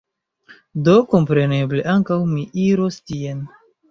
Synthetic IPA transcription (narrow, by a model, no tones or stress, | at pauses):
do̞ko̞mpɾe̞ne̞ble̞ʔaŋkawmiʔiɾostien